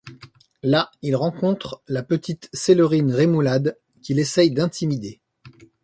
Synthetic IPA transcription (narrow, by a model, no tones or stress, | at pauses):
lailʁɑ̃kɔ̃t̪χlapət̪ʰit̪seløʁinʁemulad̪ | kʲilesɛjd̪ɛ̃t̪ʰimid̪e